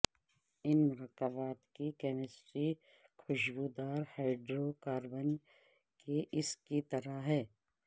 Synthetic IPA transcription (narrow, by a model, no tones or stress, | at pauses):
ɪnmʊɾəkːəbaːt̪kikɛːmɪsʈɾi | kʰʊʃɡud̪aːɾhaːɪɖɾoːkaːɾbən | keʔɪskit̪ɐɾaɦɛː